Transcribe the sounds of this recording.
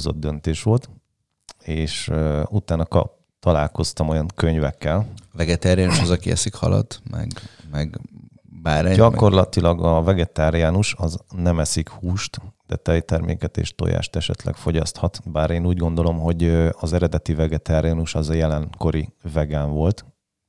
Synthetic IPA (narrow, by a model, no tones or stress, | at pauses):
zo̞̰d̪̚d̪ø̞nt̪eːʃʋo̞lt̪ | eːʃut̪aːnɒkɒ̰ | t̪ɒlaːlko̞st̪ɒmo̞jɒŋkø̞ɲvɛkːɛlvɛɡɛt̪aːɾiaːnuʃɒzɒkiɛ̰sikhɒ̰lɒ̰t̪mɛ̰ɡmɛɡ | baːɾɛdɟɒko̞rlɒt̪ilɒɡɒvɛɡɛt̪aːɾijaːnuʃɒznɛmɛsikhuːʃt̪d̪̥ɛt̪ɛjt̪ɛrmḛːkɛt̪ḛːʃt̪o̞̰ja̰ːʃt̪ɛʃɛ̰t̪lɛ̰kfo̞ɟɒst̪hɒt̪baːɾeːnuːɟɡo̞nd̪o̞lo̞mɦo̞ɟɒzɛɾɛd̪ɛt̪ivɛɡɛt̪aːɾijaːnuʃɒzɒjɛlɛŋko̞ɾivɛɡaːɱvo̞lt̪